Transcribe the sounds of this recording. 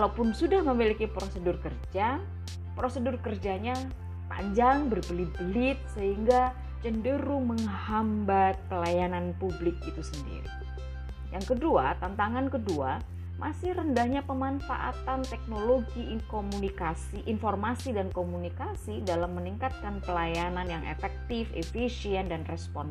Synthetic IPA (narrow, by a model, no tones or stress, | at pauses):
kalawpʊnsudahməmilikipɾosədʊrkərd͡ʒa | pɾosədʊrkərd͡ʒaɲa | pa̰ɲd͡ʒaŋbərbəlibəlɪt̪̚səɦiŋɡa | t͡ʃəndəɾuməŋhambat̪̚pəlajananpublɪk̚it̪usəndḭɾḭ | jaŋkəduat̪ant̪aŋankədua | mʔasɪhrəndahɲapəmanfa̰ʔa̰t̪ant̪ɛk̚noloɡikomunikasiʔinfɔrmasidankomunikasidalamːəniŋkat̪̚kanpəlajananjaŋʔḛfɛk̚t̪ɪfḛfisiɛndanrɛspɔn